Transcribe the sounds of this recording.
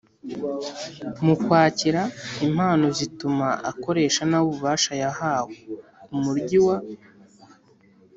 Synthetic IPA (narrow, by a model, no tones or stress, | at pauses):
mukwaːciɾaim̥aːno̞zitumaako̞ɾe̞ːʃanaβuβaːʃajahaːweumuɾɟiwa